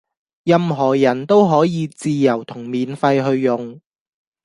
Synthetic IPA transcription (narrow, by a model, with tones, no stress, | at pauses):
jɐ˨˧mɦɔː˨˩jɐ˨˩nt̪o˥wɦɔː˨˥jiː˨˧t͡siː˧jɐ˨˩wt̪ʰʊ˨˩ŋmiː˨nfɐ˧jɦɵ˧ɥːʊ˨ŋ